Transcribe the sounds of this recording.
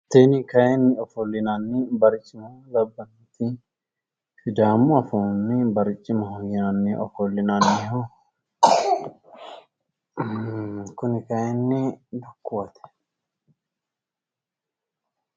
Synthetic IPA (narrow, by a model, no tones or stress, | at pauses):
t̪enɪkɐjɛnːɪɔfɔlːɪnɐnːɪbɐɾɪt͡ʃʼːɪmɐlɐbːɐn | t̪ɪ | fɪd̪aːmʊɐfoːnːɪbɐɾɪt͡ʃʼːɪmɐhʊjɪnɐnːɪʔɔ̰fɔlːɪnɐnɪɦɔ | kʊnɪkɐjɛnːɪd̪ʊkːʊwɐt̪ɛ̥